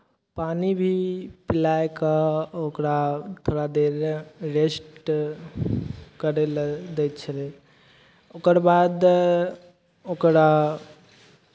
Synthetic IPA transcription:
paːnibʱipɪlaekaokɾat̪ʰoːɾad̪eɾːesʈ | kəɾeld̪ɛt͡ʃʰəle | okəɾbaːd̪ | okɾa

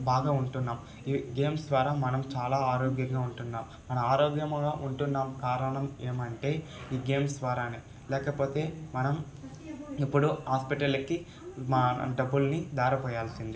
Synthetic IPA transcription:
baːɡaːuɳʈunːaːm | iːɡe̞ːmsʋaːɾaːmːɐnɐmt͡ʃaːlaːaːɾoːɡjɐŋɡaːuɳʈunːaːmːɐnɐmaːɾoːɡjɐmɡaːʔuɳʈunːaːmkaːɾɐɳɐme̞ːmɐɳʈe̞ːiːɡe̞ːmsʋaːɾaːneː | lɛːkɐpo̞ːt̪e̞ːmɐnɐm | ipːuɽuhaːspiʈɐlɐki | mɖɐbːulnid̪aːɾɐpɐːjaːlsind̪i

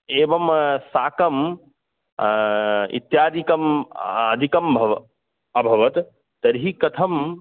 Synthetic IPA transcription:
ebɐmsaːkɐm | ḭt̪jad̪ikɐməd̪ʱikɐmbʱɐʋ | əbʱɐʋət̪ | t̪ɐɾɦikɐt̪ʰɐm

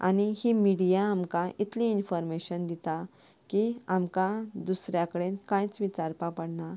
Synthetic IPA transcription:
a̰ɽ̃ihimiɽijaːmkãʔit̪ʰlĩːnfɔɾmeɕənd̪it̪a | kiamkãd̪usɾjakəɽenkãjt͡sʋit͡ɕaɾpapəɽna

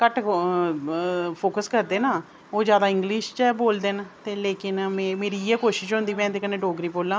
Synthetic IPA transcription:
kəʈ | pʰoːkəskəɾd̪eːnaː | oːzjaːd̪aːɪ̃ŋɡlɪʃt͡ʃɛboːld̪ent̪eːleːkɪnmẽmeːɾiːɛːkoːʃɪʃɦʊ̃nd̪iːmɛ̃ːd̪eːkənẽːɖoːɡɾiːboːlãː

